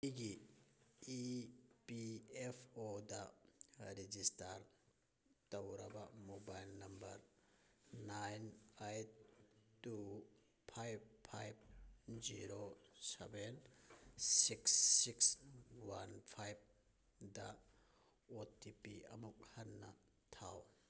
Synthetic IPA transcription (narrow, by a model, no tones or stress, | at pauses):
iɡi | ipiepʰodɐ | ɾed͡ʒistaɾ | tɐwɾɐbɐmobajlnɐmbɐɾ | najnajttu | pʰajb̚pʰajb̚d͡ʒiɾo | sḛben | siksːikswanpʰajb̚ | dɐ | otipiɐmuk̚hɐnːɐ̰ | tʰaw